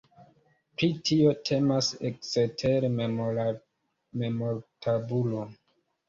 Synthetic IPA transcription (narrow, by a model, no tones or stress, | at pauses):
pɾitʰio̞tʰe̞maseksetʰeɾ | me̞moɾtʰabulo